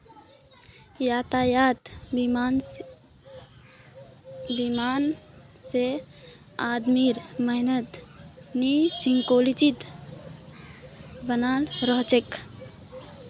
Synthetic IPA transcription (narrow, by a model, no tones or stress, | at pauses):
jat̪ajat̪n | bimanse | ad̪miɾməɦnət̪nisiŋkolit͡ʃit̪ | bənalɾəɦt͡ʃek